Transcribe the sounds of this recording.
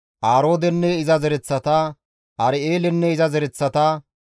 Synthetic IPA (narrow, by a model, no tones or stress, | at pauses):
ʔaːɾo̞ːd̪ɛnːɛɪzɐzɛɾɛt͡sːɐt̪aː | ɐɾɪeːlɛnːɛɪzɐzɛɾɛt͡sːɐt̪a